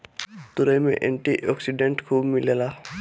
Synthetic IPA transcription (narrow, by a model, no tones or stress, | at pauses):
t̪ʊɾəjmḛ̃ʔɛ̃ɳʈiʔɔːksiɖẽɳʈkʰuːbmɪlelaː